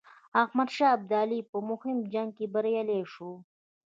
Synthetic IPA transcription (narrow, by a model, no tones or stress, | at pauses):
ahmad̪ʃɑːb̚d̪ɑːlipəmʊhɪmd͡ʒaŋɡ̚kebaɾjaleʂu